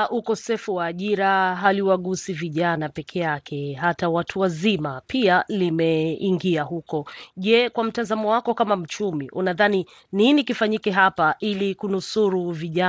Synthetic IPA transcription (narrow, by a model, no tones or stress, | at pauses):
ʔukɔsɛfuwaːʄiɾaɦaliwaɠusiviʄanapɛkʰɛjakʰɛɦatawatʰuwazimapialimɛiŋɡiahukɔʄɛkwam̩tazamɔwakɔkamam̩t͡ʃumiʔunaðani | ninikifaɲikɛɦapaʔilikunusuɾuviʄa